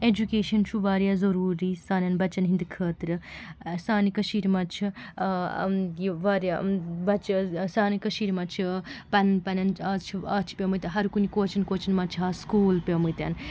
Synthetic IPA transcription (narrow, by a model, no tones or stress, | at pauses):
ed͡ʒukeːʃɐnt͡ʃʰuʋaːɾjaːzɐɾuːɾisaːnʲɐnbɐt͡ʃɐnɦind̪ɨkʰəːt̪ɾɨsaːnikɐʃiːɾmɐt͡ʃʰi | jiʋaːɾjabɐt͡ʃsaːnikɐʃiːɾimɐt͡ʃʰipɐnnpɐnɐnat͡ʃʰiat͡ʃʰi̥pʲemut̪ɐɦɐɾkunikoːt͡ʃʰɐnkoːt͡ʃɐnmɐt͡ʃʰɦaːskuːlpemut̪ʲɐ̰n